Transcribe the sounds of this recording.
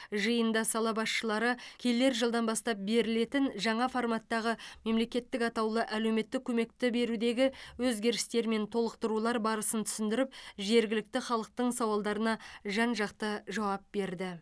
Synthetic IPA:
ʒəjənd̪ɑsɑlˠɑbɑsʃəlˠɑɾəkʲʰe̞lːe̞ɾʒəlˠd̪ɑnbɑst̪ɑp̚be̞ɾɪle̞t̪ɪnʒɑɴɑformɑt̪ːɑʁəme̞mle̞kʲe̞t̪ːɪkɑt̪ɑwlˠəʔæle̞wme̞t̪ːɪkʲʰːɵme̞kt̪ɪbe̞ɾud̪e̞ɡʲɪwɵzɡʲe̞ɾɪst̪e̞ɾme̞nt̪ʰo̞lˠəqt̪əɾulˠɑɾbɑɾəsənt̪ʰʏ̥sɪnd̪ɪɾɪp̚ʒe̞ɾɡʲɪlɪk̚t̪ɪχɑlˠəq̚t̪əɴsɑwɑlˠd̪ɑɾənɑʒɑnʒɑqt̪əʒɑwɑp̚be̞ɾd̪ɪ

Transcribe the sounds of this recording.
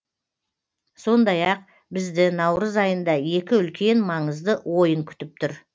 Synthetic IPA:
so̞nd̪ɑjɑq̚ | bɪzd̪ɪnɑwɾəzɑjənd̪ɑje̞kʲɪʏlkʲe̞nmɑɴəzd̪əwo̞jəŋkʲʰʏ̥t̪ɪp̚t̪ʰʊɾ

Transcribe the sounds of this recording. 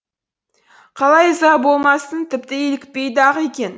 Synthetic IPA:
qʰɑlˠɑjzɑbo̞lˠmɑsənt̪ʰɪp̚t̪ɪelɪk̚ʲpe̞jd̪ɑʁekʲe̞n

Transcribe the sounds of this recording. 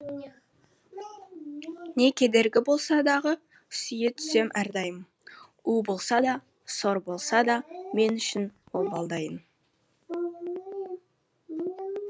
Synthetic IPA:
ne̞kʲʰe̞d̪e̞ɾɡʲɪbo̞lˠsɑd̪ɑʁə | sʏjɪt̪ʰʏ̥se̞mʔæɾd̪ɑjəmə | ubo̞lˠsɑd̪ɑ | so̞ɾbo̞lˠsɑd̪ɑme̞nʏʃɪnwo̞lˠbɑlˠd̪ɑjən

